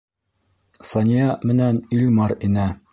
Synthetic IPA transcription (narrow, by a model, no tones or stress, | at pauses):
sɑnʲijɑmɘ̆nænilʲmɑɾinɘ